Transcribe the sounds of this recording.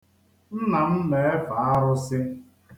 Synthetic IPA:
n̩˦na˨n̩˦me˨e˦fa˨a˦ɾʊ˦sɪ˦

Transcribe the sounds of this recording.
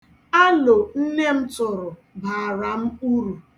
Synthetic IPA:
a˦lo˨n̩˦ne˦m̩˦tʊ˨ɾʊ˨ | ba˨ɾa˨m̩˦u˦ɾu˨

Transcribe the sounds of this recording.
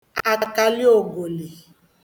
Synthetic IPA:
a˧ka˧li˦o˨ɡo˨le˨

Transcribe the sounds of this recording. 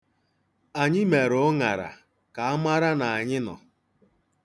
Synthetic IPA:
a˨ɲɪ˦me˨ɾʊ˨˦ŋa˨ɾa̰˨ | ka˨a˦ma˦ɾa˦na˨a˨ɲɪ˦nɔ̰˨

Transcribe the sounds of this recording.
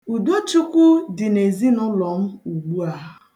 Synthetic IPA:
u˨do˦t͡ʃʊ˦kʷʊ˦dɪ˨ne˨zi˦nʊ˦lɔ˨m̩˦u˨ɡ͡bu˦a˨˦ɦ

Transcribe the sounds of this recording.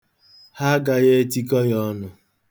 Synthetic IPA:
ha˦ɡa˨ɣe˦ti˦kɔ˦jɔ˦nʊ˨

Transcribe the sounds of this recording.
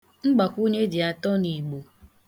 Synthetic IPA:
ŋ͡m̩˦ɡ͡ba˨kʷu˦ɲe˦dɪ˨a˨tɔ˦ni˨ɡ͡bo˨

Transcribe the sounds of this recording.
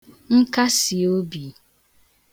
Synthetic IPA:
ŋ̩˦ka˦si˨o˦bi˨

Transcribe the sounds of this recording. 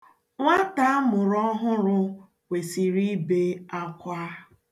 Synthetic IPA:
ŋʷa˦ta˦mʊ˨ɾɔ˦ɦʊ˦ɾʊ˦ | we˨si˨ɾi˦be˦a˦kʷa˦

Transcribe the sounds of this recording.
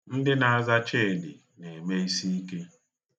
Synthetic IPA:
n̩˦dɪ˦na˨a˦˨za˦t͡ʃe˦˨dɪ̰˨ | ne˨me˦i˦si˦i˦ke˦

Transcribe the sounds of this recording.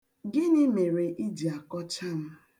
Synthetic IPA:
ɡɪ˦nɪ˦me˨ɾe˨ʔi˦di˨a˨kɔ˦t͡ʃa˦m̩˦

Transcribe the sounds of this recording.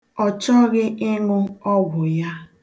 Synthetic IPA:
ɔ˨t͡ʃɔ˦ɣɪ˦ʔɪ˦ŋʊ˦ɔ˦ɡʷʊ˨ja˦

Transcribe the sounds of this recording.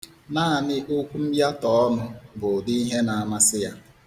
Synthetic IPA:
naː˦˨nɪ˦ʔo˦kʷu˦m̩˦bja˦tɔ˨ɔ˦nʊ˦bʊ˨di˦i˦ɦe˦na˨a˨ma˦sɪ˦ja˦

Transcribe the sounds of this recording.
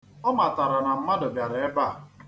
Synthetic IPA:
ɔ˦ma˨ta˨ɾa˨na˨m̩˦ma˦dʊ˨bja˨ɾe˨e˦ba˦˨

